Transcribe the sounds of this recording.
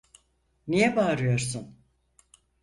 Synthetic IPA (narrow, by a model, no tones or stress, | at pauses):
nijɛbaːɾɯjo̞ɾsun